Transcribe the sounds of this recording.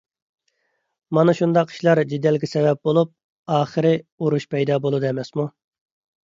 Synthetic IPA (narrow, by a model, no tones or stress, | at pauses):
mɑnɨʃund̪ɑqʰːi̥ʃlˠɑɾd͡ʒid̪ːɛlɡʲɛsɛvɛp̚bolˠup̚ | ɑːχəɾɪuɾuʃpʰɛjd̪ɑːbolˠud̪ɛmɛsmu